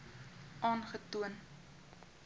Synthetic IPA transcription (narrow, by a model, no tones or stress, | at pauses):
ʔɑːnχətuən